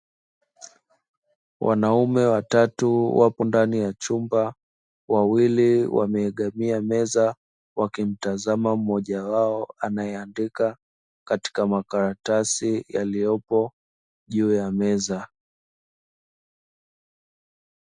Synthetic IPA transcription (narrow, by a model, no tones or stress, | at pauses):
wʔa̰naumɛwatatuwapɔndanijat͡ʃumba | wawiliwʔa̰mɛːɠamiamɛza | wakim̩tazamam̩ːɔʄawaɔanajɛandika | kati̥kamakaɾatasijalijɔpɔ | ʄuːjamɛza